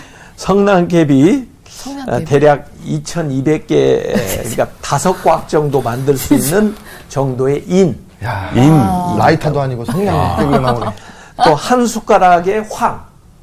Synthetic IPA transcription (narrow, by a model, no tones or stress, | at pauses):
sʰʌŋnaŋkʰe̞bi | te̞ɾjaɡ̚it͡ɕʰʌnibe̞k̚k͈ḛkɯɾik͈atasʰʌk̚k͈wak̚t͡ɕ͈ʌŋdomandɯɭs͈uinːɯn | t͡ɕʌŋdoe̞ʔin | inlaitʰadoaɲiɡosʰeŋɡan | t͈ohansʰuk͈aɾaɡe̞ɸwaŋ